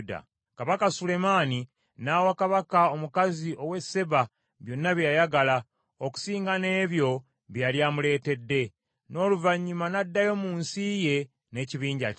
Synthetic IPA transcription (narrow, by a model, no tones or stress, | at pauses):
da̰ | kaβakasule̞maːni | naːwakaβakao̞mukaziʔo̞we̞se̞βa | βjo̞nːaβjajaɡala | oku̥siːŋɡane̞ːβjo̞ | βjaljaːmule̞ːte̞dːe̞ | no̞ːluvaɲːumanadːajo̞muːnsije̞ | ne̞ːciβiːɲɟa